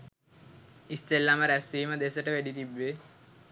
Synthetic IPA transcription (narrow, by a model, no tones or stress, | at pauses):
ist̪elːaməɾæsiːməd̪esəʈəʋeɖit̪ibːe